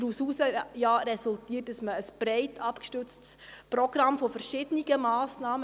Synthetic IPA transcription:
ɾusuːsəjɑːɾɛsʊltiːət̚d̥ɑsməːsb̥ɾɛɪtʰɑpkʃtʏt͡stsprɔɡ̥rɑmfofɛɾʃɪdəniɡəmɑːsnɑːmə

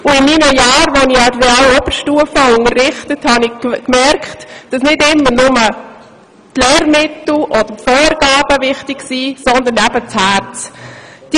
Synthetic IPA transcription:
ʊɪmiːnəjɑːɾʋoniadreɑːlɔb̥əɾʃtuəfəʊŋəɾːɪχtəthɑnɪkmɛɾkχtd̥ɑsnɪtɪmːənʊmə | tlɛːɾmɪtl̩ʔɔd̥̪ətfoːɾɡɑːb̥əvɪχtɪksiːsɔnd̪ənæbət͡shæɾt͡sd̥

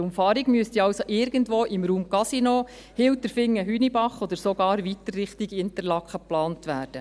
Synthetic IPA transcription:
ʊmfɑːɾiɡmyəstiɑwsoʔɪɾɡəndʋoːʔɪmɾuːmkɑsinoː | hɪwtəɾfɪŋːəɦyːnibɑχɔd̪əɾsoɡɑːɾʋitərːɪχtiɡɪntəɾlɑkχəplɑːntʋæːɾd̥ə

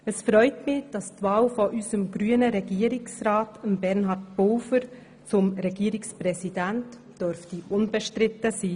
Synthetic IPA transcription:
əsfɾœʏtmɪd̥ɑstvɑːlfɔʔysəmɡɾyːənəɾɛɡiəɾiksɾɑːtəmbɛɾnɦɑɾt̚bolfəɾ | t͡sʊmɾɛɡiəɾiksprɛsidænt | d̥øɾftiʊnb̥ɛʃtɾɪtːəsiː

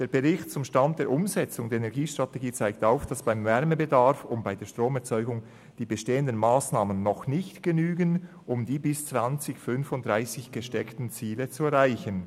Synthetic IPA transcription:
d̥eːɐb̥əʁɪçtt͡sʊmʃtantd̥eːʔʊmzɛt͡sʊŋdeːɐenɛɐɡiːʃtʁ̥ateɡiːt͡saɪk̚taʊfd̥asb̥aɪmvɛɾmebədaɾfʊmbaɪdeːɐʃtʁ̥oːmɛɐt͡sɔʏɡʊŋ | d̥iːbəʃteːəndənmaːsnaːmənːɔxnɪçtɡ̥ənyːɡən | ʔʊmdiːbɪst͡sv̥ant͡sɪçfʏnfʊntd̥ʁaɪsɪçɡ̥əʃtɛktn̩t͡siːlət͡suɛɐɾʁaɪçən

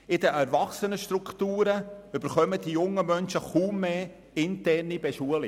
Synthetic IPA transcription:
ɪd̪əʔɛɾvɑχsənəʃtɾukt̪uːɾəʏb̥əɾχœmədijʊŋːəmœnʃəχuːmːeː | ɪnt̪ɛrnibɛʃuəlɪ

